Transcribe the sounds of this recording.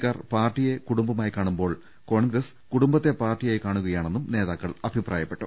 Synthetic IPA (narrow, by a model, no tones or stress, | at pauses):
kːaːrpaːrʈːije̞kuɽumbɐmaːjikaːɳumbo̞ːɭ | ko̞ːɳɡɾɐs | kuɽumbɐt̪ːe̞paːrʈːijaːjikaːɳuɣɐjaːɳe̞nːumne̞ːðaːkːɐɭɐbʱiprʔaːjɐpːe̞ʈːṵ